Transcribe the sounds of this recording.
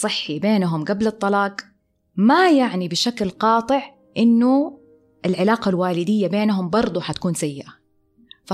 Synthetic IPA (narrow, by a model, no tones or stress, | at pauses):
ɨħːibeːnɦʊmɡablɨt̪ˤːɑlɑːq | majaʕnibɪʃaklqɑːt̪ˤɨʕ | ʔɪnːʊ | ʔɪlʕɪlaːqalwaːlɪd̪ɪjːabeːnɦʊmbɑɾˤd̪ˤuħat̪ḁkuːnsajːɪʔa | fa